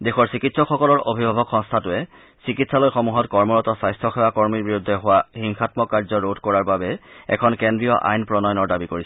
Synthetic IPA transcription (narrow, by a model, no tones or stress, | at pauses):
dexʰɔɹsikitsɔkxɔkɔlɔɹobʱibʱabʱɔkxɔ̃ŋstʰatʊɛ | sikitsalojxomuɦɔtkɔɹmɔɹɔtɔsajstʰɔxewakɔɹmiɹbiɹudʱːɛɦʊwahiŋxʰatmɔkaɹzɔɹodkɔɹaɹbabɛɛ̰kʰɔnkendɹijɔʔa̰jnpɹɔnɔjɔnɔɹdabikoɹisɛ